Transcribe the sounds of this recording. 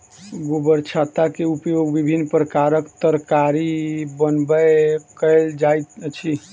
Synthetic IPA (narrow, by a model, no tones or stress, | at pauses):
ɡobəɾt͡ʃʰat̪akeupjoɡbibʱinːpɾəkaɾəkt̪əɾkaɾibənbəkəɪld͡ʒajt̪t͡ʃʰi